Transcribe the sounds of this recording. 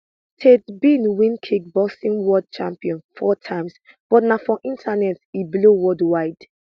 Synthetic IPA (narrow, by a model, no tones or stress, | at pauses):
tʰedbinwĩnkʰik̚bɔsĩnwɔd̚t͡ʃã̰mpiɔ̃nfɔtʰãɪms | b̥ɔtnafɹɔ̃ʔĩntʰanɛtiblowɔdwaɪd̥